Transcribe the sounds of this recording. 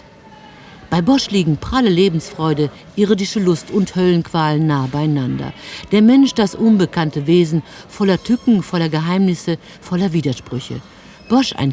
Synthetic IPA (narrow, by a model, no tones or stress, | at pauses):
b̥aɪbɔʃliːɡŋ̩pʁ̥aləleːbm̩sfʁ̥ɔʏdə | ʔɪʁədɪʃəlʊstʰʊnthœlənkv̥aːlənːaːəbaɪanandɐ̰d̥eːɐmɛnʃd̥asʔʊnbəkantəveːzn̩fɔlɐtʰʏkŋ̩fɔlɐɡəɦaɪmnɪsə | fɔlɐviːdɐʃpʁ̥ʏçə̰ | b̥ɔʃa̰ɪn